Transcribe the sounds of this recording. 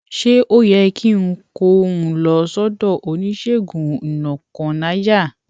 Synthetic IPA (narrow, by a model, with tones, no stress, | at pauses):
ʃe˦ʔo˦jɛ˧ki˦n̩˦ko˧ũ˨lɔ˧sɔ˦dɔ˦˨ʔo˨nĩ˦ʃe˦˨ɡũ˨nɔ̃˨kɔ̃˨na˨˦d͡ʒa˦˨